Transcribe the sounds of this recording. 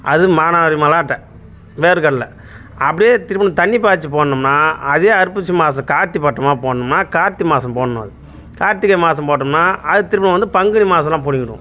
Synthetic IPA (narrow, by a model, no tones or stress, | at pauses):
ʔɐðɯmaːnaːɾimɐlaːʈːɐ | ʋeːɾɯkɐɽlɐ | ɐpːɐɽɪjeːt̪ɪɾɯpːɐɳɐ̃t̪ɐɳːip̬aːt͡ʃːɯpoːɳːɯmnaːɐðeːɐɾɯpːɯt͡ʃːɯmaːs̬ɐ̃mkaːɾt̪ːipɐʈːɐmaːpoːɳːɯmnaːkaːɾt̪ːimaːsɐ̃mpoːɳnɐ̰ðɯ | kaːɾt̪ːɪkːɐmaːsɐ̃mpoːʈːɯmnaːɐðɯt̪ɪɾɯpːɐnɐ̃ʋɐnd̪ɯpɐŋɡɐɳimaːsɐ̃lãːpʊɽɪŋɡɪɾṵ̃